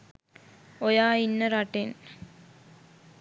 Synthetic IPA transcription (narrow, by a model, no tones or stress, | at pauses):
ojaːinːəɾaʈen